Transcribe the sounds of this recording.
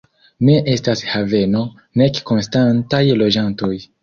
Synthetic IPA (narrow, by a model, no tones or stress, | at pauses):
ne̞ʔe̞stashave̞no̞ | ne̞kko̞nstantajlo̞d͡ʒanto̞j